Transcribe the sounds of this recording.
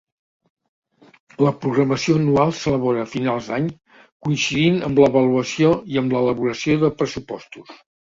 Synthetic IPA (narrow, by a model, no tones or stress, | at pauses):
ləpɾuɣɾəməsioənualˠsələβ̞oɾəːfinalˠzd̪aɲ | kuinsiðinəmbləβəluəsioiəmlələβuɾəsioðəpɾəsupɔ̰st̪us